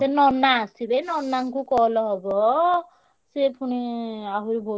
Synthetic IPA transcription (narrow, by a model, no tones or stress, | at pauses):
senɔnːaːsibejnɔnːaŋkukɔɦlɔɦɔbɔ | sepʰuniaɦuɾibʱo